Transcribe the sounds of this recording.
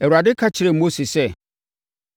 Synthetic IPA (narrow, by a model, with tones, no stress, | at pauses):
ɛ˨wu˨a˨dɪ˦kʰa˦t͡ɕʰɪ˨ɾɛ˨mo˦si˨sɛ˦˨